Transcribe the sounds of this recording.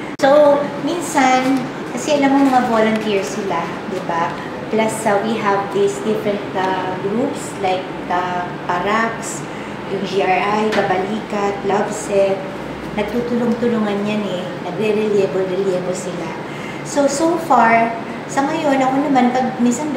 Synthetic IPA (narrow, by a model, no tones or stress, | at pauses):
sominsan | kɐsɛʔɐlamoŋmɐŋavolont̪iɹsɪla | d̪ɪba | plɐsɐwiɦɐvd̪isd̪ɪfɹɛ̃nt̪ɐɡɾupslajk̚dɐ | paɾaks | jʊŋd͡ʒiaɹʔajkɐbɐliːkat̪̚labsɛt̪̚ | nɐɡ̚t̪ut̪ʊlʊŋt̪ʊlʊŋanjanɛ | nɐɡɾɛɾɛljɛbolɾɛljɛbolsɪla | sosowfaɹ | sɐŋɐjo̞nɐkonɐmanpɐɡ̚minsɐn